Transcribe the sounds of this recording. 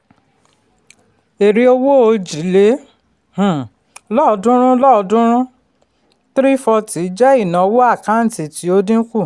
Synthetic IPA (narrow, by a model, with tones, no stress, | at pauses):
e˨ɾi˧o˧wo˦o˧d͡ʒi˨˦le˨˦ | h̩˨ | lɔ˦ɔ˧˦dũ˦ɾ̃ũ˦lɔ˦˨ɔ˧dũ˦ɾ̃ũ˦ | tɾi˦fɔ˧ti˨˦d͡ʒɛ˦i˦˨nã˨˦wo˦a˦˨kã˨˦n̩˨ti˨ti˨˦o˧dĩ˦ku˦˨